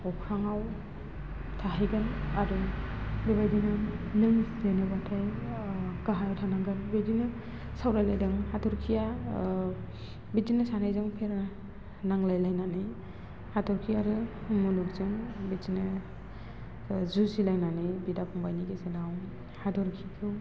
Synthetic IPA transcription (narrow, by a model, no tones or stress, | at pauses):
ɔkʰɾaŋaw | tʰaɦajɡɯnadɔbebajdinɯnɯŋpenɯbatʰaj | kaɦajɔwtʰanaŋɡɯnbedinɯ | sawɾajlajdɯŋhadɔɾkʰija | bidinɯsanajzɯŋpʰeɾna | naŋlajlajnanɯj | hadɔɾkʰijaɾɯmuluk̚zɯŋbed͡ʒinɯ | zuzilajnanɯjbidapʰɔŋbajniɡesenaw | hadɔɾkʰikʰɯw